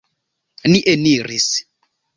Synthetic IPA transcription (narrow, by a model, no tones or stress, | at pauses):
niʔeniɾis